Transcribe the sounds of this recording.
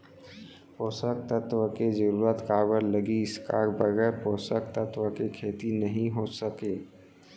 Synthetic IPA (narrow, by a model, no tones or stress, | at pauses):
poːsək̚t̪ət̪wəked͡ʒəɾuːɾət̪kaːbəɾləɡiɪskaːɾbəɡɛːɾpoːsək̚t̪ət̪wəkekʰeːt̪inəɦĩɦosəkeː